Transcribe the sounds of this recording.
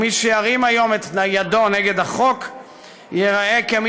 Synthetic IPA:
miʃeaʁimajo̞met̪ajadoneɡe̞d̪aχo̞k | jeʁaekem

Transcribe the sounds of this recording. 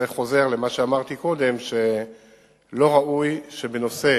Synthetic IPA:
eχo̞ze̞ʁlemaʃeamaʁt̪iko̞d̪e̞mʃe | lo̞ʁaʔujʃe̞beno̞se̞

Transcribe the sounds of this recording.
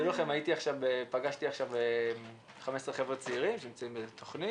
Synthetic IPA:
ulaχemait̪iaχʃavepaɡaʃt̪iaχʃavem | χamesʁeχe̞vʁet͡seiʁimʃenimt͡saimbet̪ʰoχni

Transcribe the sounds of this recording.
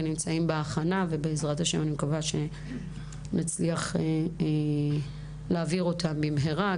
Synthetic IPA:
enimt͡saimbeaχanave̞beezʁathaʃemanimkavaʃe̞ | nat͡sliaχe | leaviʁo̞tʰambimɦeʁa

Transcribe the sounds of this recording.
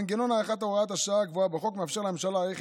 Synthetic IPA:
nɡeno̞naeχat̪oʁaat̪aʃaaɡvoabeχo̞kmeafʃeʁlememʃalaeχ

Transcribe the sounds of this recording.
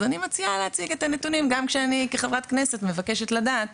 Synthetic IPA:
zanimat͡sialehat͡siɡe̞t̪anetunimɡamkʃeanikeχavʁat̪kne̞se̞tme̞vake̞ʃe̞t̪ladaːt

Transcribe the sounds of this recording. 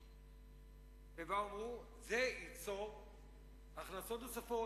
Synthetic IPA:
vevaʁu | zeit͡so | aχnasot̪osafo

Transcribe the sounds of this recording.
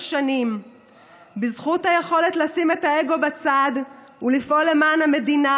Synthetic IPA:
ʃanim | bizχuthajeχo̞le̞tlasime̞tae̞ɡo̞bat͡sad | ulifʔo̞le̞maːnhame̞dina

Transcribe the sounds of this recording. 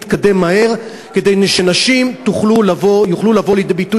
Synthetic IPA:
t̪kade̞mːahe̞ʁ | ke̞de̞jneʃenaʃimt̪uχlulavo̞juχlulavo̞lidebitu

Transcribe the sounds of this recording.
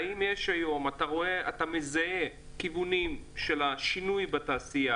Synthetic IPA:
aimjeʃajo̞mataʁo̞eatamezae | kivunimʃe̞laʃinujbataːsia

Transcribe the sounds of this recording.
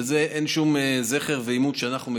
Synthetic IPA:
ezeʔenʃumezeχeʁveimud̪ʃeanaχnume

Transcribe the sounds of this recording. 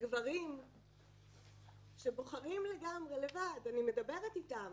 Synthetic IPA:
ɡvaʁim | ʃe̞bo̞χaʁimle̞ɡamʁe̞le̞vadanime̞dabe̞ʁetitam

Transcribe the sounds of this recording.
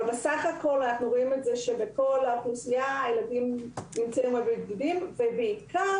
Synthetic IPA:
besaχako̞lanaχnuʁoimetze̞ʃe̞be̞ko̞laknusijaːjeladimnimt͡seumodidɡudimve̞beikʰa

